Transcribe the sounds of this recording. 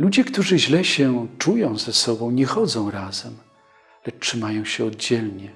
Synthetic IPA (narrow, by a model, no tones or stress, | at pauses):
lud͡ʑɛkt̪uʐɘʑlɛɕɛt͡ʂujɔ̃w̃zɛsɔbɔ̃w̃ɲɛxɔd̪zɔ̃w̃ɾazɛm | lɛt͡ʂʂɘmajɔ̃w̃ɕɛɔd̪d͡ʑɛlɲɛ